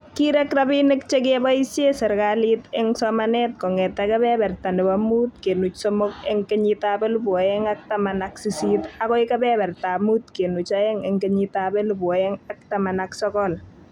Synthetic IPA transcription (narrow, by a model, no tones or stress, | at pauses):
kiɾɛkrabinɪk̚t͡ʃek̬ebaisjesɛrkalitɛŋsɔmanɛt̚kɔŋɛtakɐβɛbɛrtandɛbamut̚kenut͡ʃsomokɛŋkeɲitabɛlubuɔɛŋak̚tamanaksisitakɔjkabɛbɛrtamutkenut͡ʃaɛŋɛŋkeɲitabɛlubuɔɛŋak̚tamanaksɔkɔl